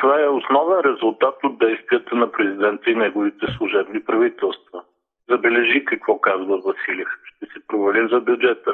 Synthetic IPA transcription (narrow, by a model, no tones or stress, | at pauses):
t̪ovaɛʊsnɔvɛnɾɛzʊlˠt̪at̪od̪̚d̪ːɛjst̪viət̪ənɐpɾɛzid̪ɛnt̪əinɛɡʊvit̪ɛslˠʊʒɛbnipɾɐvit̪ɛlˠst̪vɐ | zɐbɛlɛʒikɐkvɔkazvəvɐsilʲɛfʃt̪ɛsɛpɾovɛlimzɐbjʊd͡ʒɛt̪ə